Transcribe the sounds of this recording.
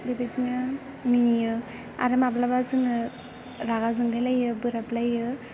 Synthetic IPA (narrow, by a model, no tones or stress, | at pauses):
bebed͡ʒina | minijɯ | a̰ɾɯmablabazɯŋɯ | ɾaɡazɯŋdelajɯbɯɾaplajɯ